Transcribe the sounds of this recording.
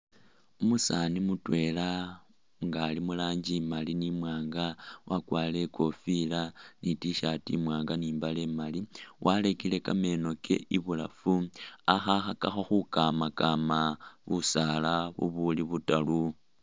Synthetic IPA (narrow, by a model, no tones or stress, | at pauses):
umusanimutwe̞ːla | ŋɡaːlimulaːɲd͡ʒimalinimwaːŋɡawʔakwaːle̞ko̞filanitiʃatḭmwaːŋɡaniːmbale̞maliwʔalekile̞kame̞ːno̞kḛʔiβula̰fuaxaxakaxoxukamakamaβusalaβṵβuliβutalu